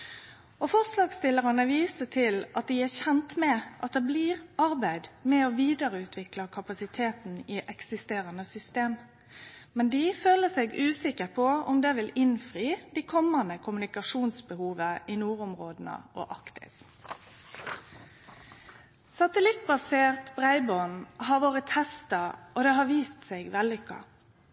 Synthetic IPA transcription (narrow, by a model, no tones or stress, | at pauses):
ofɔʁslɑːɡst̪ɪləʁɑnəʋiːsət̪ʰɪlɑt̪̚d̪iæːçɛnt̪mɛʔɑt̪̚d̪ɛːbliːʁɑʁbæɪd̪mɛoːʋiːd̪əɾəʉːt̪ʰʋɪklɑkʰɑpɑsɪt̪ʰeːt̪n̩ɪʔɛksɪst̪eːɾɑnəsʏst̪eːm | mɛnd̪iføːləsɛːɡʉːsɪkəpʰɔʊ̰md̪ɛʋɪlɪnfʁyːd̪̥ikʰɔmɑnəkʰʊmʉnɪkɑʃuːnsbəhuːʋəʔinuːɾʊmʁoːd̪nə̰ʔo̰ʔɑkt̪ɪ̰s | sɑt̪əlɪt̪̚ːbɑseːʁt̪bʁæɪbɔnɦɑʋoːʁət̪hɛst̪ɑʔod̪ɛɦɑʋiːst̪sɛɪɡʋɛlːʏkʰːɑ̰